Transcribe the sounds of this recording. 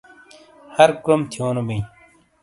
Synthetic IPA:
hɐɾkɾomt̪ʰjoːnobĩĩ

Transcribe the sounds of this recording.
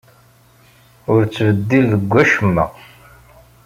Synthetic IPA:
ʊɾt͡sːvəd̪ːilðəɡʷːæʃəmːæ̰

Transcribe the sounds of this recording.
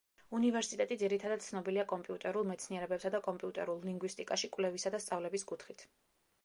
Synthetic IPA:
univɛɾsit̪ʼɛt̪ʼid̪ziɾit̪ʰad̪ad̪̚t̪sʰnɔbiliakʼɔmpʼiut̪ʼɛɾulˠmɛt̪sʰniɛɾɛbɛpsad̪akʼɔmpʼiut̪ʼɛ̰ɾulˠliŋɡwist̪ʼikʼaʃikʼvlɛvisad̪ast̪sʼavlɛbiskʼut̪ʰχit̪ʰ

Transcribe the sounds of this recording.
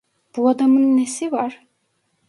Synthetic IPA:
b̥uad̪amɯnːesivaɾ̥

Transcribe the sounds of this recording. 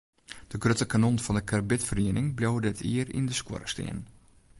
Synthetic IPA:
d̥əɡrøtəkanonfɔndəkʰarbɪtfəriənɪŋblʲowədɪtʰḭərḭndəskwɔ̰ɾəstɪ̰ən

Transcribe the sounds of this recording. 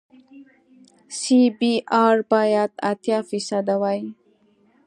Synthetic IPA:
sibiʔaːɾbajat̪a̰t̪jafisad̪awaj

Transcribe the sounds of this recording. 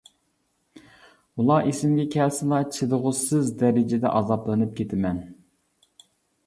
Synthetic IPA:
ulˠɑʔesɪmɡʲɛkʲʰɛlsɪlˠɑt͡ʃʰid̪ɨʁʊsɨzd̪ɛɾɪd͡ʒɪd̪ɛ̰ʔɑzɑplˠɨnɨp̚kʲʰet̪ʰɪmɛn

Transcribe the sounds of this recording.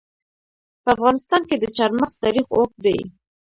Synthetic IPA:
pəafɣɑnɪst̪ɑnked̪ət͡ʃɑɾməxz̥t̪ɑɾixok̚d̪aj

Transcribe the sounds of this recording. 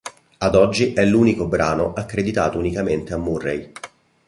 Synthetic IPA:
ad̪ɔd͡ʒːiʔɛlːuːnikobɾaːnoʔakːɾed̪it̪a̰ːt̪ounikament̪eamːurːej

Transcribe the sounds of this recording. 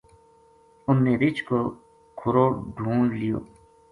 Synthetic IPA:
ʊnːeːɾɪt͡ʃko | kʰʊɾoːɖʱũːɳlijo̰ː

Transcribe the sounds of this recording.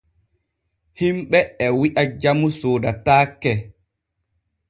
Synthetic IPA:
himɓɛɛwiʔad͡ʒamusoːdataːkːɛ

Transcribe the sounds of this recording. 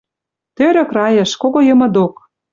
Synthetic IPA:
t̪øɾø̆krɑjə̆ʃkoɣojɤ̆mɤ̆d̪ok

